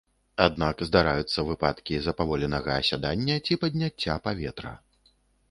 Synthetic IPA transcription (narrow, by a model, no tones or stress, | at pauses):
ad̪̚nakzd̪aɾajut̪sːɐvɨpat̪kʲizɐpavɔlʲɛnɐɣɐːsʲad̪anʲːɐt͡sʲipɐd̪ʲnʲat͡st͡sʲːapavʲɛt̪ɾɐ̰